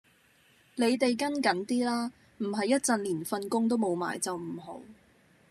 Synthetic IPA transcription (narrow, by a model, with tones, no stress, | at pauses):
le˨˧jt̪e˨jkɐ˥nkɐ˨˥nt̪iː˥laː˥ | m̩˨˩ɦɐ˨jːɐ˥t̚t͡sɐ˨nliː˨˩nfɐ˧nkʊ˥ŋt̪̬o˥wmo˨˧wma̰ː˨jt͡sɐ˨wm̩˨˩ɦo̰˨˧˥w